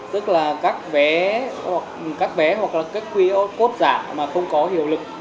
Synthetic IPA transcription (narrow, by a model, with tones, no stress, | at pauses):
t̪ɨ˦˥k̚laː˨˩kaː˦˥k̚vɛ˨˦hwa˨˩k̚kaː˦˥k̚vɛ˨˦ɦwa˨˩k̚laː˨˩kaː˦˥k̚xwi˧ʔko˦˥t̚zaː˧˩maː˨˩xə˧wŋ͡mkɔ˨˦hḭ˧˨əwlɨ˨˩k̚